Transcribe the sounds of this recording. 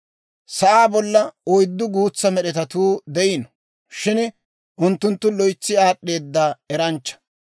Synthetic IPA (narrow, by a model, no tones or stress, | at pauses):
sɐʔaːbɔlːɐɔjd̪ːʊɡuːt͡sːɐmɛɗɛt̪ɐt̪uːd̪ɛjɪnɔ | ʃɪn | ʔʊnt̪ːʊnt̪ːʊlɔjt͡sːɪaːɗːe̞ːd̪ːaːɛɾɐnt͡ʃːɐ̥